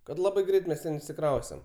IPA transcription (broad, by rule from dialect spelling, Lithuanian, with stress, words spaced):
kɐt ˈlˠɑːbɐɪ ˈɡrʲɛɪt mʲɛs ˈtʲɛn ɪʃʲsʲɪˈkrɐʊsʲtʲɛm